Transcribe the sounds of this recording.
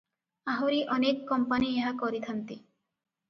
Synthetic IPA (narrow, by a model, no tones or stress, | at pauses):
aɦoɾiʔɔnekːɔmpanieɦakɔɾit̪ʰant̪i